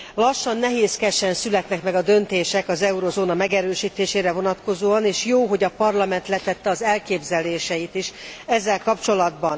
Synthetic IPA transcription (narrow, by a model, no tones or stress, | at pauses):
lɒʃːɒnːɛɦeːskɛʃɛnsylɛt̪nɛkmɛɡɒd̪ø̞nt̪eːʃɛkɒzɛuɾozoːnɒmɛɡɛɾøːʃiːt̪eːʃeːɾɛvo̞nɒt̪ko̞zoːɒneːʃjoːɦo̞ɟɒpɒrlɒmɛnt̪lɛt̪ɛt̪ːɛɒzɛlkeːbzɛleːʃɛjit̪iʃɛzːɛlkɒpt͡ʃo̞lɒd̪bɒn